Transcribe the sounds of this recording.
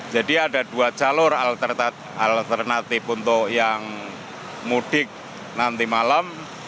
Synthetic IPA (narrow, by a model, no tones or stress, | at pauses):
d͡ʒ̥aɖiaɖad̥uad͡ʒalʊralt̪ər | alt̪ərnat̪ipunt̪ɔʔjaŋ | muɖ̥ɪk̚ | nant̪imalam